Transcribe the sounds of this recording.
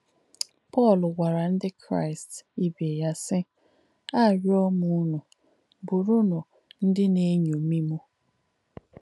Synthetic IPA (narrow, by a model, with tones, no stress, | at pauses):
pɔ˦˨lwʷa˨ɾa˨n̩˦dɪ˦kʰɾa̰˦˨ɪ˨sti˦be˨ja˦sɪ˦ | a˦˨ɾi˦ɔ˦mʊ˦nʊ˨ | bʊ˨ɾʊ˦nʊ˨ | n̩˦dɪ˦ne˦ɲu˨mi˦mu˦